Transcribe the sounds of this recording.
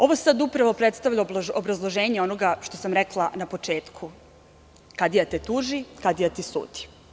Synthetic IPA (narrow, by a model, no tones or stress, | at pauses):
o̞ʋosad̪upɾaʋopɾet̪st̪aʋʎalobɾazlˠoʒeːɲeo̞noɡaʃt̪o̞samɾeklˠanapo̞t͡ʃe̞ːt̪kʰu | kad̪ijat̪et̪uʒikad̪ijat̪isṵːd̪i̥